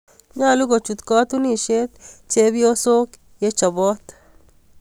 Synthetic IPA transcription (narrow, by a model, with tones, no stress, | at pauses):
ŋa˦˨lu˦ɡo˨t͡ʃu˨t̪kɔ˦t̪u˦ni˨ʃe˦t̪t͡ʃe˦bi˦o˦so˦k | je˦t͡ʃɔ˨bɔ˦t̪